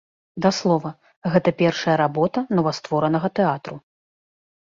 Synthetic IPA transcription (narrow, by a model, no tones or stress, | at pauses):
d̪aslˠɔvɐ | ɣɛt̪ɐpʲɛrʂɐjɐɾabɔt̪ɐnɐvast̪vɔɾɐnɐɣɐt̪ɛat̪ɾu